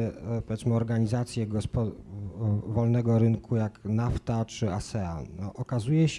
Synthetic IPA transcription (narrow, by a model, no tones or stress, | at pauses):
pɔvʲɛt̪smɘɔɾɡaɲizat̪sʲjɛɡɔspɔ | vɔlnɛɡɔɾɘŋkʰujaknaft̪at͡ʂɘasɛa̰nɔʔɔkazujɛɕ